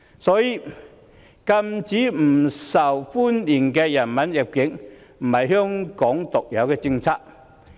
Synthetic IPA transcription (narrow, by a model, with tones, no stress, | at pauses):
sɔː˨˥jiː˧ | kɐ˧mt͡siː˨˥m̩˨˩sɐ˨˩wfuː˥nliː˨˩nkɛː˧jɐ˨˩nmɐ˨˥njɪ˨˩p̚kɪ˨˥ŋm̩˨˩hɐ˨˩jɦœː˥ŋkɔː˨˥ŋt̪ʊ˨k̚jɐ˨˧wkɛː˧t͡sɪ˧ŋt͡sʰaː˥k̚